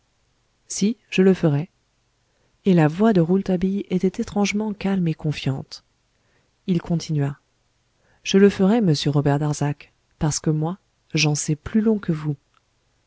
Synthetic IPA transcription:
siʒ̥ələfəʁɛ | elavwad̪əʁult̪abijet̪ɛt̪et̪χɑ̃ʒmɑ̃kalmekɔ̃fjɑ̃t̪ | ilkʰɔ̃t̪ʰinɥa | ʒ̥ələfəʁɛməsjəʁɔbɛʁd̪aʁzak | paʁsə̥kəmwa | ʒɑ̃sɛplylɔ̃kəvu

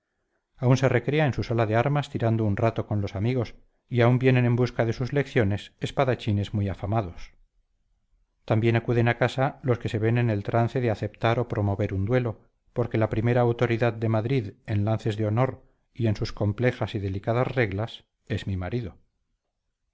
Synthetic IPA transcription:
aunse̞re̞kɾe̞aensusalaðe̞aɾmast̪iɾand̪ounrat̪o̞ko̞nlo̞samiɣ̞o̞s | iaumbje̞ne̞nẽ̞mbuskaðe̞suzle̞kθjo̞ne̞sespaðat͡ʃine̞zmujafamaðo̞s | t̪ambje̞nakuðe̞nakasalo̞ske̞se̞βe̞nene̞lt̪ɾan̟θe̞ðeaθe̞p̚t̪aɾo̞pɾo̞mo̞βe̞ɾund̪we̞lo̞ | poɾke̞lapɾime̞ɾaːwt̪o̞ɾiðaðːe̞maðɾiðe̞nlanθe̞zðeo̞no̞ɾ | ie̞nsusko̞mple̞xasiðe̞likaðazre̞ɣlas | e̞zmimaɾiðo̞

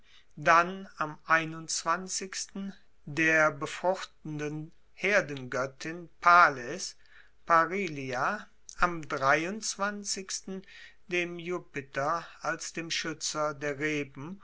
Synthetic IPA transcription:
danamʔaɪnʊnt͡sv̥ant͡sɪçstn̩ | deːɐbəfʁ̥ʊxtn̩dən | heːɐdn̩ɡœtʰɪnpʰaːlɛs | paʁiːlia | ʔamdʁaɪʊnt͡sv̥ant͡sɪçstn̩ | deːmjuːpɪtʰɐalsd̥eːmʃʏt͡sɐdeːɐʁeːbm̩

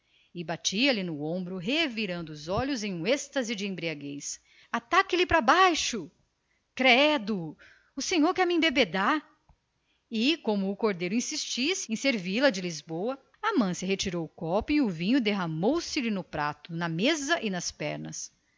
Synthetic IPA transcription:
ɪbat͡ʃiɐlinʊõmbɾʊɦeviɾɐ̃nd̪ʊːzɔʎʊzẽj̃ũest̪ɐzɪd͡ʒɪẽbɾiaɡejs | at̪akɪlɪpɾɐbajʃʊ | kɾɛd̪ʊ | ʊsẽɲoɾkɛɾmɪẽbebed̪aɾ | ɪkõmʊːkoɾd̪ejɾʊĩsist͡ʃisɪẽj̃seɾvilɐd͡ʒɪlizbowɐ | ɐmɐ̃sɪɦet͡ʃiɾowkɔpʊiʊvĩɲʊd̪eɦɐmowsɪlɪnʊpɾa̰t̪ʊnɐmezɐʔɪnɐspɛ̰ɾnɐ̰s

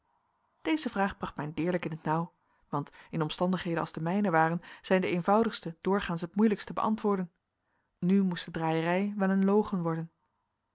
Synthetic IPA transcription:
d̥ejzəvraːχbrɑχtmɛjndɪːɹləkɪnɦətnʌw | ʋɑntɪnɔmstɑndəχɦejdənɑlˠzdəmɛjnəʋaːrənz̥ɛjndəejnvʌwdəχstəd̥ʊːɹχaːnsɦətmujləkstəbə̰ʔɑ̰ntʋʊːɹdən | nymustədraːjərɛjʋɛlənlowχənʋɔɹdən

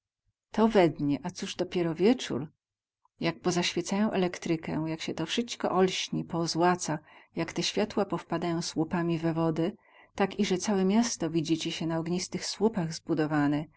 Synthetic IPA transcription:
t̪ɔvɛd̪ɲɛʔat̪suʐd̪ɔpʲjɛɾɔvʲjɛt͡ʂṵɾ | jak̚pɔzaɕfʲjɛt̪sajɔ̃w̃ʔɛlɛkt̪ɾɘkɛ̰jakɕɛt̪ɔfʂɘt͡ʃkɔ̰ʔɔlɕɲipɔzwat̪sajakt̪ɛɕfʲjat̪wapɔfpad̪ajɔ̃w̃swupamʲivɛvɔd̪ɛ | t̪akiʐɛt̪sawɛmʲjast̪ɔvʲid͡ʑit͡ɕɛɕɛnaɔɡɲist̪ɘxswupaɣzbud̪ɔvanɛ

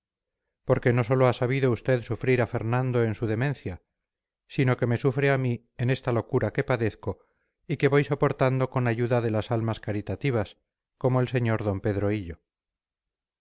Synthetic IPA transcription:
po̞ɾke̞no̞so̞loasaβ̞iðoust̪e̞ðsufɾiɾafe̞ɾnãnd̪o̞e̞nsuðe̞mẽ̞nθja | sino̞ke̞me̞sufɾeami | e̞ne̞st̪alo̞kuɾake̞paðe̞θko̞ | ike̞βo̞jso̞po̞ɾt̪and̪o̞ko̞naʝuðaðe̞lasalmaskaɾit̪at̪iβ̞as | ko̞moelse̞ɲo̞ɾðo̞mpe̞ðɾo̞iʎo̞

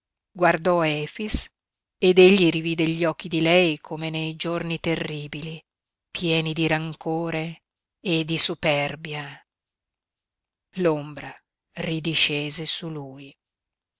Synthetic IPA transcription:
ɡward̪ɔɛːfis | ed̪eʎːiɾiviːd̪eʎːɔkːid̪ilɛjkʰomenejd͡ʒornit̪erːiːbili | pjɛːnid̪iɾaŋkoːɾeː | d̪isupɛrbja | lombɾa | rid̪iʃeːzesuluːj

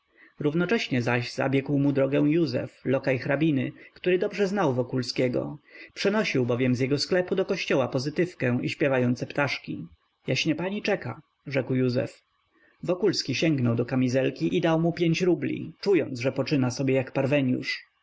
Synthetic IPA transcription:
ɾuvnɔt͡ʂɛɕɲɛzaʑza̰bʲjɛkwmud̪ɾɔɡɛw̃juzɛ̰flɔkajxɾabʲinɘ̰kt̪uɾɘd̪ɔbʐɛznawvɔkulskʲɛɡɔ̰pʂɛnɔɕiwbɔvʲjɛmzjɛɡɔsklɛpud̪ɔkɔɕt͡ɕɔwapɔzɘt̪ɘfkɛ̃iɕpʲjɛvajɔnt̪sɛpt̪aʂkʲi | jaɕɲɛpaɲit͡ʂɛka | ʐɛkwjuzɛ̰f | vɔkulskʲiɕɛŋɡnɔwd̪ɔkamʲizɛlkʲiʔid̪awmupʲjeɲt͡ɕɾublʲḭt͡ʂujɔnʐɛpɔt͡ʂɘnasɔbʲjɛjakpaɾvɛɲjṵʂ

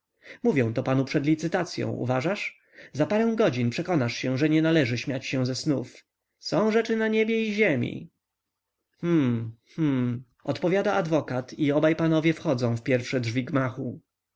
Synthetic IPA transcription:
muvʲjɔ̃w̃t̪ɔpanupʂɛd̪lʲit̪sɘt̪at̪sʲjɔ̰̃w̃ṵvaʐaʂ | zapaɾɛ̃w̃ɡɔd͡ʑinpʂɛkɔnaʂɕɛʐɛɲɛnalɛʐɘɕmʲjat͡ɕɕɛ̃zɛsnuf | sɔ̃w̃ʐɛt͡ʂɘnaɲɛbʲjɛiʑemʲḭ | hm̩hm̩ | ɔt̪pɔvʲjad̪aʔad̪vɔkat̪ʰiɔbajpanɔvʲjɛfxɔd̪zɔ̃w̃fpʲjɛɾfʂɛdʐvʲiɡmaxu

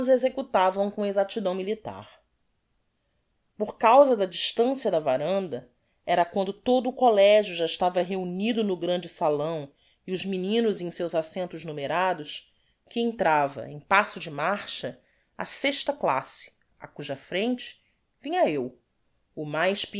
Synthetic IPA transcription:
zezekut̪avɐ̃w̃kõezat͡ʃid̪ɐ̃w̃milit̪a̰ɾ | pʊɾkawzɐd̪ɐd͡ʒiʃt̪ɐ̃siɐd̪ɐvaɾɐ̃nd̪ɐ | ɛɾɐkwɐ̃nd̪ʊt̪od̪ʊːkolɛʒjʊʒaɪʃt̪avɐɦeunid̪ʊnʊɡɾɐ̃nd͡ʒɪsalɐ̃w̃ | iʊʒminĩnʊzẽj̃sewzasẽnt̪ʊznumeɾad̪ʊs | kɪẽnt̪ɾavɐ̰ḛ̃j̃pasʊd͡ʒɪmaɾʃɐ | ɐ̰seʃt̪ɐkla̰sɪ̥ | a̰kuʒɐfɾẽnt͡ʃɪ̥ | vĩɲɐew | ʊmajʃpi

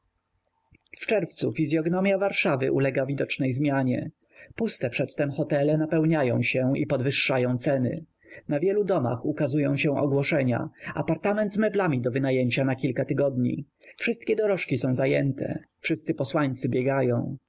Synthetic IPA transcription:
ft͡ʂɛɾft̪sṵfʲizʲjɔɡnɔmʲjavaɾʂavɘ̰ʔṵlɛɡavʲid̪ɔt͡ʂnɛjzmʲjaɲɛ̰ | pust̪ɛpʂɛt̪ːɛmxɔt̪ɛlɛnapɛwɲajɔ̰̃w̃ɕɛḭpɔd̪vɘʂːajɔ̃w̃t̪sɛnɘ̰ | navʲjɛlud̪ɔma̰xukazujɔ̃w̃ɕɛ̃ɔ̰ɡwɔʂɛɲa̰a̰paɾt̪amɛnd̪zmɛblamʲid̪ɔvɘnajɛɲt͡ɕanakʲilkat̪ɘɡɔd̪ɲḭ | fʂɘst̪̚kʲɛd̪ɔɾɔʂkʲisɔ̃w̃zajɛnt̪ʰɛ̰fʂɘst̪sɘpɔswaɲt̪sɘbʲjɛɡajɔ̰̃w̃

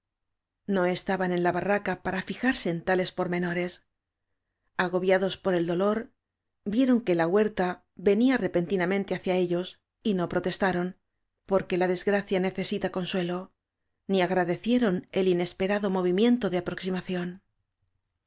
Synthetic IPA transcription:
no̞e̞st̪aβane̞nlaβarakapaɾafixaɾse̞ːnt̪ale̞spo̞ɾmẽ̞no̞ɾe̞s | aɣ̞o̞βjaðo̞spo̞ɾe̞ld̪o̞lo̞ɾ | bje̞ɾo̞ŋke̞laɣwe̞ɾt̪a | βe̞niare̞pe̞nt̪inamẽnt̪e̞aθjae̞ʎo̞s | ino̞pɾo̞t̪e̞st̪aɾo̞n | po̞ɾke̞laðe̞zɣɾaθjane̞θe̞sit̪ako̞nswe̞lo̞ | niaɣɾaðe̞θje̞ɾo̞ne̞line̞spe̞ɾaðo̞mo̞βimje̞nt̪o̞ðeapɾo̞ksimaθjo̞n

